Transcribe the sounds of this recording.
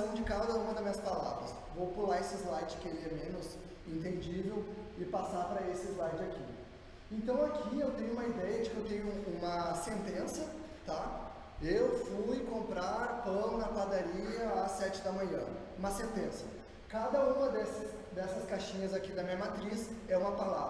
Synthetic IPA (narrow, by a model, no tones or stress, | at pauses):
ɐ̃w̃d͡ʒɪkad̪ɐũmɐd̪ɐzmĩɲɐspala̰vɾɐs | vowpulaesɪzlajt͡ʃɪ̥kɪelɪɛmẽnʊz | ẽnt̪̬ẽd͡ʒivewɪpasaɾpɾɐesɪɪzlajt͡ʃɪakḭ | ẽnt̪ɐ̃w̃akʰiewt̪ẽɲʊũmɐid̪ɛjɐd͡ʒɪkɪewt̪ẽɲʊũmɐsẽnt̪ẽsɐ | t̪a | ewfujkõmpɾaɾpɐ̃w̃nɐkad̪aɾiɐːsɛt͡ʃɪd̪ɐmɐ̃ɲɐ̰̃ | ũmɐsẽnt̪ẽsɐ | kad̪ɐũmɐd̪ɛsɪs | d̪ɛsɐskaʃĩɲɐzakid̪ɐmĩɲɐmat̪ɾisɛũmɐpala̰vɾɐ